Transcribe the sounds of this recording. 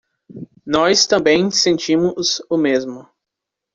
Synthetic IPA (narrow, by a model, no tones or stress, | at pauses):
nɔst̪ɐ̃mbẽj̃sẽnt͡ʃĩmʊzʊmezmʊ